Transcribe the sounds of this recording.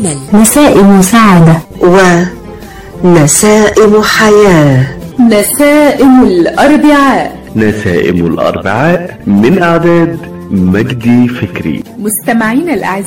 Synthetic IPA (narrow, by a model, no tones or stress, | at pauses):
nasæːʔɪmʊsaːʕad̪awɪ | nasaːʔɪmħajaːnasaːʔɪmlʔɑɾˤbɪʕaːʔ | nasaːʔɪ̰mʊ̰lʔɑ̰ɾˤbɪʕaːʔmɪnʔaʕd̪æːd̪ | mæɡd̪ifɪkɾḭmʊst̪amaʕiːnalʔaʕz